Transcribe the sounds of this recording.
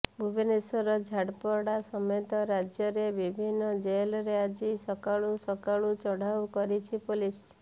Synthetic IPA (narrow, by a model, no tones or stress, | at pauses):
bʱubʱenesɔɾɔd͡ʒʱaɽpɔɽasɔmɔt̪ɔɾad͡ʒjɔɾebibʱinːɔd͡ʒelɔɾead͡ʒisɔkaɭusɔkaɭut͡ʃɔɽ̤ʱawkɔɾit͡ʃʰipulis